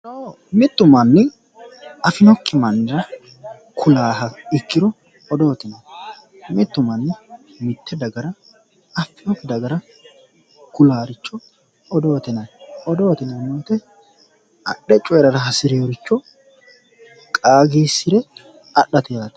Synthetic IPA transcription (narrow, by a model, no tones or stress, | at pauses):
noː | mɪt̪ːʊmɐnːɪ | ɐfɪnɔkːɪmɐnːɪɾɐ | kʰʊlaːɦɐɪkːɪɾɔ | ɔd̪o̞ːt̪ɪnɐn | mɪt̪ːʊmɐnːɪ | mɪt̪ːɛd̪ɐɡɐɾɐ | ɐfːɪnɔkːɪd̪ɐɡɐɾɐ | kʊlaːɾɪt͡ʃːɔ | ɔd̪oːt̪ɛnɐnɔd̪oːt̪ɪnɐnoːt̪ɛ | ɐɗɛt͡ʃʼɔjɛɾɐɾɐɦɐsɪɾeːɾɪt͡ʃːɔ | kʼaːɡiːsːɪɾɛ | ɐɗːɐt̪ɛjaːt̪